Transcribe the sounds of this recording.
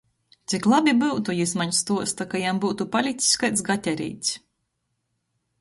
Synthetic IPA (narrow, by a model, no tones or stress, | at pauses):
t̪siklˠabʲibɨwt̪ujismaɲst̪uɔst̪akajambuːt̪upalʲit̪si̥skajt̪sɡat̪ʲɛɾʲḭːt̪s